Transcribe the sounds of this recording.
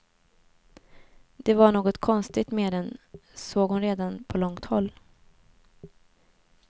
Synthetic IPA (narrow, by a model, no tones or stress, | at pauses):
d̪̥ɛvaɳoːɡɔt̪kʰɔnst̪ɪt̪meːd̪ɛnsoːɡhʊnɾeːd̪anpʰɔlɔŋt̪hɔlː